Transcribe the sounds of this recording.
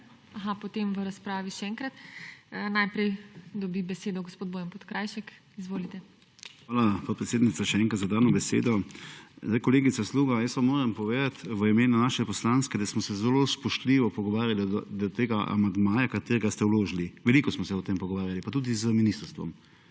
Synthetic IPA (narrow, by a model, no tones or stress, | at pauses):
aɦapɔt̪emʋəɾaspɾaːʋiʃɛɛŋkɾat̪ː | najpɾɛjd̪ɔbibɛseːd̪ɔɡospoːd̪boːjɛmpot̪kɾaːjʃɛk | izʋoːlit̪ɛ | xʋaːlapoːt̪pɾɛt̪seːd̪nitsaʃɛɛːŋkɾat̪zad̪aːnɔbɛsḛːd̪ɔzd̪ajkɔleːɡit̪sasluːɡajəsʋamoːɾɛmpɔʋeːd̪at̪ʋəimeːnunaːʃɛpɔslanskɛd̪asmɔsɛzɛlospɔʃt̪liːʋɔpɔɡɔʋaːɾjalid̪ɔt̪eːɡaʔa̰mand̪maːjakat̪eːɾɛɡast̪ɛwloːʒiliʋɛliːkɔsmɔsɛɔt̪empɔɡɔʋaːɾjalipat̪uːd̪izəminist̪əɾst̪ʋɔ̰m